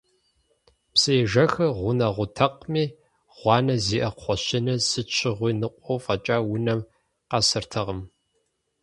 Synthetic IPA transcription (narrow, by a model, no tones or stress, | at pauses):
psɨjʒɐxɨʁʷʊnɐʁʷʊtʰɐqmiː | ʁʷɑːnɐziːʔɐqχʷɔɕɪnɐsɨt͡ʃʷʰɪʁʷiːnɨqʷʼɔwfɐt͡ʃʼaːwʊnɐm | qɐsɨrtʰɐʁəm